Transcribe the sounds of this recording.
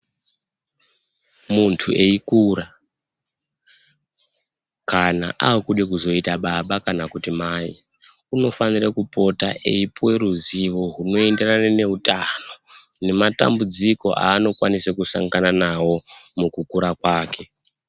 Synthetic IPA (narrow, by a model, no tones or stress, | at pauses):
muntʰuʔe̞ikura | kana̰ʔawokuɗekuzo̞itaɓaɓakanakutimai | uno̞fanirekupo̞ta̰ʔe̞̰ipwe̞ruziʋo̞ɦuno̞enderanene̞utano̞ | ne̞mata̰mbud͡ziko̞̰ʔa̰ːno̞kwanisekusa̰ŋɡananawo̞mukukuɾakwaːke̞